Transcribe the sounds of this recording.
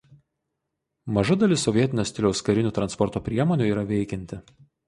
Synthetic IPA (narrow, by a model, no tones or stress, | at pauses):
mɐʒʊd̪ɐlʲɪsɔʋʲiɛt̪ʲɪnʲoːsʲt̪ʲɪlʲɛʊskɐɾʲɪnʲuːt̪ɾɐnspɔɾt̪oːpʲɾʲiɛmɔːnʲuːˑiːɾɐʋʲɛɪkʲɛnʲt̪ʲɪ